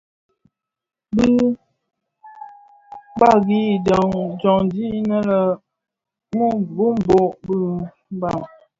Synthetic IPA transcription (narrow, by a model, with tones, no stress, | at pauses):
bi˦ | ba˦˨ɣi˦˨dɔ˨ŋd͡ʒɔ˨ŋdi˦nə˦lə˨ | mo˦˨bu˦m̩˦bo˦ʔbɨ˦ | m˦ba˦˨m